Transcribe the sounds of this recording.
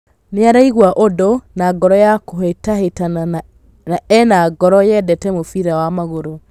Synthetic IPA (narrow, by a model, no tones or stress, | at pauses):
neaɾaiɣwaʔodonaɡɔɾɔjakoɦetaɦetan | aɛnaɡɔɾɔjɛdɛtɛmofiɾawamaɣoɾo